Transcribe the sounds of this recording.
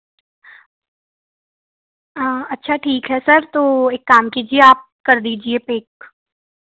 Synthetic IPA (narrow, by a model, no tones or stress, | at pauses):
ɐtːʃʰaʈʰiːkɦɛsɐɾt̪oːeːkːaːmkiːd͡ʒieaːp̚kɐɾd̪iːd͡ʒiepeːk